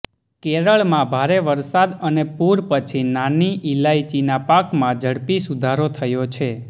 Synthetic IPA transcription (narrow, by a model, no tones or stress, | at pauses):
keɾəɭmãbʱaɾeʋəɾsad̪ənepuɾpət͡ʃʰinaniʔilait͡ʃinapakmãd͡ʒʱəɽpisud̪ʱaɾot̪ʰəjot͡ʃʰe